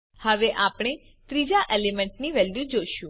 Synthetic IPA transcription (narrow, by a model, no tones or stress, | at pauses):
həʋeʔapɽ̃e | t̪ɾid͡ʒaʔelemɛ̃ɳʈniʋɛljud͡ʒoʃũ